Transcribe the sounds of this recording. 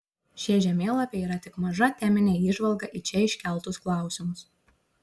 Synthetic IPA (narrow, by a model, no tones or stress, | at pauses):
ʃʲiɛʒʲɛmʲeːlˠɐpʲeːiːɾɐt̪ʲɪkmɐʒɐt̪ʲɛmʲɪnʲeːiːʒʋɐlˠɡɐʔit͡ʃʲɛɪʃʲkʲɛlˠt̪ʊsklˠɑˑʊsʲɪmʊs